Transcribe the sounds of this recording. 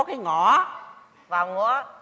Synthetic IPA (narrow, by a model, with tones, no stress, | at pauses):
kaː˨˦jŋɔ˨˩˦ | vaː˨˩wŋu˧˦